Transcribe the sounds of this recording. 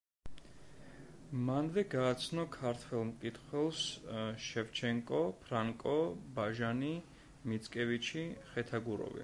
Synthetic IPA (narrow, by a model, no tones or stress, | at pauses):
manvɛɡaːt̪sʰnɔkʰaɾt̪ʰwɛlˠmkʼit̪ʰχwɛlˠsʃɛvt͡ʃʰɛŋkʼɔpʰɾaŋkʼɔbaʒani | mit̪sʼkʼɛvit͡ʃʰiχɛt̪ʰaɡuɾɔ̰vḭ